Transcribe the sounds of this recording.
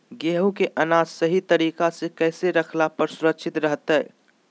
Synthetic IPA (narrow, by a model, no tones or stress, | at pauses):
ɡeɦukeʔənaːd͡ʒsəɦit̪əɾiːkasekɛːseɾəkʰlapəɾsʊɾəkʃʰɪt̪ɾəɦt̪əɛ